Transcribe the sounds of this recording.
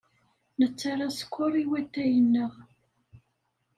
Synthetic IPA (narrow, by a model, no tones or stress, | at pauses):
nət͡sːaɾˤasə̥kʷːʊɾˤiwæt̪ːæjənːəʁ